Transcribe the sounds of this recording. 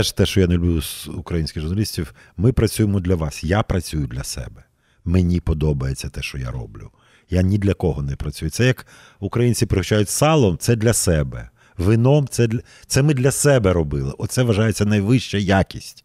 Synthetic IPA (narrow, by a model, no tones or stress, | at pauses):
ɛʃt̪ɛʃt͡ʃɔjanelʲʊblʲuzukɾɐjinʲsʲkʲɪɣʒʊɾrnɐlʲisʲtʲiw | mɪpɾɐt͡sʲujemɔd̪ʲlʲɐʋɑsjapɾɐt͡sʲujʊd̪lʲɐsɛ̰bɛ | menʲipɔd̪ɔbɐjet͡sʲːɐt̪ɛʃt͡ʃɔja̰ɾɔ̰blʲʊ | janʲid̪lʲɐkɔɦɔnɛpɾɐt͡sʲujʊt̪sɛjɐk | ukɾɐjinʲt͡sʲipɾɪht͡ʃajʊtʲsɑlˠɔmt̪sɛd̪lʲɐsɛbɛ̰ | ʋɪnɔmt̪sɛd̪ʲ | t̪sɛmɪd̪lʲɐsɛbɛɾɔbɪlˠɪ̰ʔɔt̪sɛʋɐʒɑjet͡sʲːɐnɐjʋɪʃt͡ʃɐjakʲisʲtʲ